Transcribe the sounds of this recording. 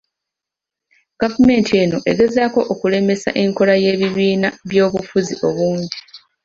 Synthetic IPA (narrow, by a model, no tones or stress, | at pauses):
ɡ̥avume̞ːntʰie̞ːno̞ʔe̞ɡe̞zaːko̞ʔːkule̞me̞sa̰ʔe̞ŋko̞laje̞ːβiβiːnaβjo̞ːβufuziʔo̞βuːndi